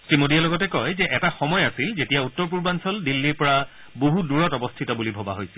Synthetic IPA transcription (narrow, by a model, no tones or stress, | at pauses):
sɹimodialɔɡɔtɛkɔjzɛʔɛtaxɔmɔjasilzetijautːɔɹp̬uɹbansɔldilːiɹpɔɹa | boɦuduɹɔtɔbɔstʰitɔbulibʱɔba̰ɦojsɛ̥l